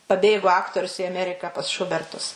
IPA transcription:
pɐˈbʲeːɡoː ˈɑːktoːrʲʊs ɪ ɐˈmʲæːrʲɪkɑː pɐs ˈʃʊbʲɛrtʊs

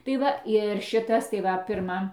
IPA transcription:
tɐɪ ˈʋɐ ɪr ˈʃʲɪtɐs tɐɪ ˈʋɐ pʲɪrˈmɐ

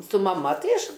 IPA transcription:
sʊ mɐˈmɐ ˈtɐɪ ˈɐʃ

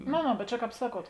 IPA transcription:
noː noː bʲɛt ˈt͡ʃʲɛ ˈkɑːp ˈsɑːˌkuɔt

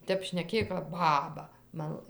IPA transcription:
ˈtʲɛp ʃʲnʲɛˈkʲeːj kɐp ˈbɑːbɐ ˈmɐn

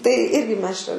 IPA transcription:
tɐɪ ˈɪrʲɡʲɪ ˈmʲɛs t͡ʃʲɛ

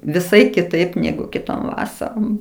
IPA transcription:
ʋʲɪˈsɐɪ kʲɪˈtɐɪp ˈnʲæːɡʊ kʲɪˈtoːm ˈʋɑːsɐroːm

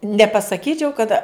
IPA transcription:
nʲɛpɐsɐˈkʲiːt͡ʃʲɛʊ kɐt

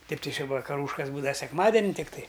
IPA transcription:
tɐɪ tɐɪ t͡ʃʲɪ ʋɐkɐˈruːʃkɐs ˈbuːdɐʋɐ sʲɛkˈmɑːdʲɛnʲɪ tʲɪkˈtɐɪ

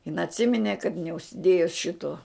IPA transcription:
ɪn ɐtʲˈsʲɪmʲɪnʲeː kɐt nʲɛʊʃʲsʲɪˈdʲeːjʊs ˈʃʲɪtoː

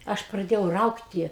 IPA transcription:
ˈɐʃ prɐˈdʲeːjɛʊ ˈrɐʊktʲɪ

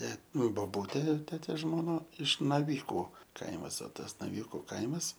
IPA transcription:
ˈtʲɛ nʊ boːˈbuːtʲeː ˈtʲæːtʲeːs ʒmoːˈnɐ ɪʃ nɐˈʋʲiːkʊ ˈkɐɪmɐs oː ˈtɐs nɐˈʋʲiːkʊ ˈkɐɪmɐs

